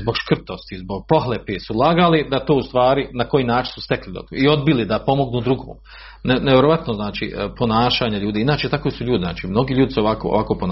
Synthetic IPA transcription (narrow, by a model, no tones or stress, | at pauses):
zbo̞ɡʃkr̩t̪o̞st̪izboɡ̥̚po̞ɦlepesulˠaɡalid̪at̪oːust̪ʋaːɾinako̞jiːnaːt͡ʃinsu̥st̪e̞klid̪o̰d̪o̰io̞d̪bilid̪apo̞mo̞ɡnuːd̪ɾuɡo̰ːm | neneʋjeɾoʋat̪noznaːt͡ʃḭːpo̞naːʃaːɲaʎuːd̪iːinaːt͡ʃet̪akosuʎuːd̪izna̰ːt͡ʃiːmno̞ɡiːʎuːd̪isɛoʋako̰o̰ʋakoːpon